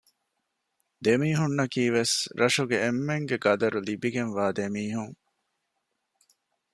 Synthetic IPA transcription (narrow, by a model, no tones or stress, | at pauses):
d̪emiːɦunːɐkiːʋesɾʔɐʃuɡeemːeŋɡeɡɐd̪ɐɾulibiɡenʋaːd̪emiːɦuŋ